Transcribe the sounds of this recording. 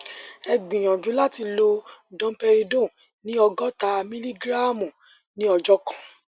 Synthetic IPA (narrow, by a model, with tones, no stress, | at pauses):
ɛ˧ɡ͡bĩ˨j̃ã˨d͡ʒũ˨˦la˦ti˧lo˧dɔ̃˦pɛ˧ɾi˧dõ˦˨ | nĩ˦ɔ˧ɡɔ˦ta˧mĩ˦li˦ɡɾa˦˨mũ˨ | nĩ˨˦ɔ˧d͡ʒɔ˦kḁ̃˨